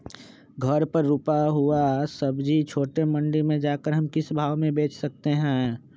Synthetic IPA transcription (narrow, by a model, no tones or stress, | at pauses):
ɡʱɐɾpəɾːupaɦuasəbd͡ʒit͡ʃʰoːʈemɐ̃ɳɖimẽd͡ʒaːkəɾɦɐmkɪsbʱaːʋmẽbeːt͡ʃsɐk̚t̪eɦɛ̃